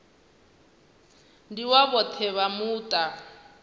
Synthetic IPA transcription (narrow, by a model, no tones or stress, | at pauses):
ndiwaβɔt̪ʰɛβamuːtʼa